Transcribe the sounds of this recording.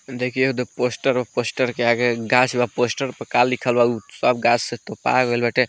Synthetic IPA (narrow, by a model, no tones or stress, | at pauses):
d̪ekʰieud̪oposʈəɾbaposʈəɾkeaɡeɡasʰbaposʈəɾpəkalːikʰəlbausɔbɡasset̪opa̰ɡɦojlbaʈe